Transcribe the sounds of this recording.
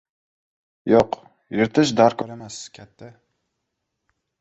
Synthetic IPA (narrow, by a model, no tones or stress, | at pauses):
joq | jɪɾt̪ʰɪʃ̬d̪aɾkʰɒɾamaskʲʰat̪ʰːɪ